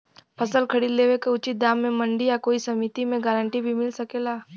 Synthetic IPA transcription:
pʰɐsəlkʰɐɽid̪leːʋekeʊt͡ʃɪt̪̚d̪aːmːẽmɐ̃ɳɖijakoːisɐmit̪imẽɡaːɾə̃ɳʈibʱimɪlsɐkeːlaː

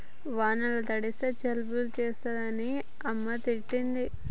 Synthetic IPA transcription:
ʋaːnɐlɐt̪ɐɽist̪ɐt͡ʃɐlbult͡ʃeːst̪ɐd̪ɐni | ɐmːɐt̪iʈːind̪i

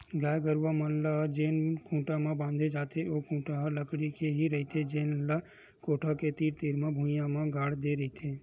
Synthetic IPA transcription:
ɡaːjɡəɾʋamənlad͡ʒeːnkʰũːʈamãbãːnd̪ʱed͡ʒaːt̪ʰeʔoːkʰũːʈaɦləkɽikeɦiɾəɦit̪ʰed͡ʒeːnla | koːʈʰaket̪iːɾt̪iːɾmãbʱũjãmãɡaːɽd̪eɾəɦit̪ʰeː

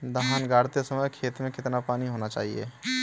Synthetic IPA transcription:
d̪əɦaːnɡaːɽt̪esəməjkʰeːt̪mẽkɪt̪napaːniɦoːnat͡ʃa̰ːɦiḛː

